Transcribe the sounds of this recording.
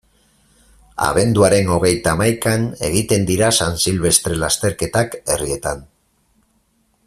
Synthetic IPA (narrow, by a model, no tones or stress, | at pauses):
a̰βe̞nd̪uaɾe̞no̞ɣ̞e̞jt̪aːmajkane̞̰ɣ̞it̪e̞nd̪iɾasansilβe̞st̪ɾe̞last̪e̞ɾke̞t̪ake̞rie̞t̪an